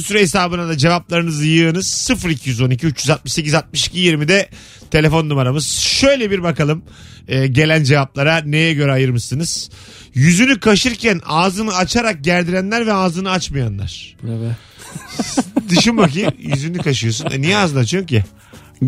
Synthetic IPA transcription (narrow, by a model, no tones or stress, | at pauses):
usyɾeesaːbɯnad̪ad͡ʒe̞vap̚lˠaɾɯnɯzɯjɯɾnɯz̥sɯfɾicʰijyzo̞nicʰiyt͡ʃjyzat̪̚mɯʃse̞c̬izat̪̚mɯʃi̥cʰijiɾmid̪ɛ | t̪ʰe̞lʲe̞fo̞nd̪umaɾamɯz̥ʃø̞jlʲebiɾbakalˠɯm | ɛːɟe̞lʲænd͡ʒe̞vap̚lˠaɾane̞jɛɟø̞ɾɛajɯɾmɯʃsɯnɯz̥ | jyzynykʰaʃɯɾcʰænaːzɯnɯat͡ʃʰaɾak̚ɟæɾd̪iɾænlʲæɾvɛaːzɯnɯat͡ʃmajanlˠa̰ɾ̥ | d̪ɯʃinbac̬ijyzynykaʃɯjo̞s̬unɛ̰nijɛaːzɯnat͡ʃʰɯjo̞ci